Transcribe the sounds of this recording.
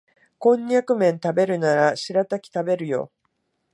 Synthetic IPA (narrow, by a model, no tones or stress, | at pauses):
kõ̞ɲʲːakɯ̟mẽ̞nt̪abe̞ɾɯ̟naɾaɕiɾat̪akʲi̥t̪abe̞ɾɯ̟jo̞̰